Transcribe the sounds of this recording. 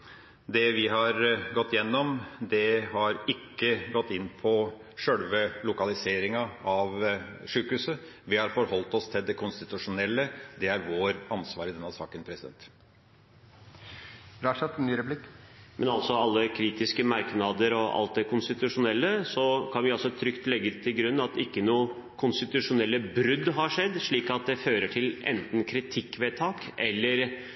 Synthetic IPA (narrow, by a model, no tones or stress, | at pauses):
d̪ɛʋɪɦɑɾɡɔt̪ːjɛnːɔmd̪ɛhɑɾɪkːəɡɔt̪ːɪnːpʰɔ | ʂœlʋəlʊkɑlɪseːɾɪŋɑɑʋʂʉːkhʉːsə | ʋɪhɑɾfɔɾhɔlt̪ɔst̪ʰɪld̪ɛkʰʊnst̪ɪt̪ʉʂʊnɛlːəd̪ɛæɾʋoːɾɑnsʋɑːɾɪd̪ɛnːɑsɑ̰ːkənpʰɾɛsɪd̪ɛ̰nt̪ | ɾɑːʂɛt̪ːnːyːɾɛplɪkmʔɛnɑlt̪sɔɑlːəkʰɾiːt̪ɪskəmɑɾknɑd̪əɾɔʔɑ̰lt̪̚d̪ɛkʰʊnst̪ɪt̪ʉʂʊnɛlːəsɔkʰɑnʋɪɑlsɔt̪ʰɾʏkt̪lɛɡːət̪ʰɪlɡɾʉnːɑt̪ɪkːənuː | kʰʊnst̪ɪt̪ʉʂʊnɛlːəbɾʏd̪ɦɑʂɛd̪ːʂɭiːkɑt̪̚d̪ɛføːɾəʈʰɪlɛ̰nt̪n̩kʰɾɪt̪ʰɪkːʋeːt̪ʰɑːkɛlːəɾ